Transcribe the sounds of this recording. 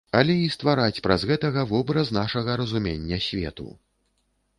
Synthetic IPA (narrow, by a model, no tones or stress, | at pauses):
ɐlʲɛist̪vaɾat͡sʲpɾazɣɛt̪ɐɣɐvɔbɾɐznaʂɐɣɐɾɐzumʲenʲːɐsʲvʲɛ̰t̪ṵ